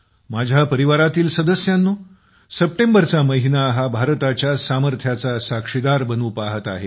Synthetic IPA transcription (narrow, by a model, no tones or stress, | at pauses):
mad͡ʑʱjapəɾiʋaɾat̪iːlsəd̪əsjanːuː | səp̚ʈembəɾt͡saməɦinaɦabʱaɾt̪at͡ɕjasaməɾt̪ʰjat͡sasakʂid̪aɾbənuːpaɦət̪a̰ɦe